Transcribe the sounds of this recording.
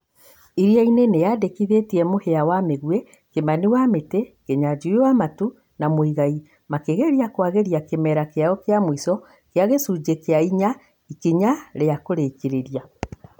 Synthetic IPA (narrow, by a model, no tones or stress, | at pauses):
iɾiainenejadekiðetiɛmoheawameɣwɛ | kemaniwametekeɲad͡ʒuwamatu | namoiɣai | makeɣeɾiakwaɣeɾiakemɛɾakeaɔkeamwisɔ | keaɣesud͡ʒekeaiɲa | ikeɲaɾeakoɾekeɾeɾia